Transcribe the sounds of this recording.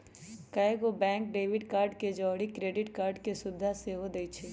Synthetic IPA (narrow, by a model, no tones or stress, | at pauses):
kaeɡobɛ̃ːŋk̚ɖeːʋɪɖkaːɾɖked͡ʒɔːɦɽikɾeːɖɪʈkaːɾɖkesʊd̪ʱaseɦod̪eit͡ʃʰeː